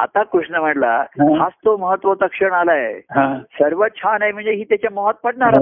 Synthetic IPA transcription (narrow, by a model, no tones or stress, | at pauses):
a̰t̪akuʂnəm̤əʈla̰ɦast̪oməɦət̪ːʋət̪əkʂəɳalaeɦãsəɾʋət̪̚t͡ɕʰanajm̤əɳd͡zeɦiːt̪jat͡ɕjaməɦət̪̚pəɽɳaɾa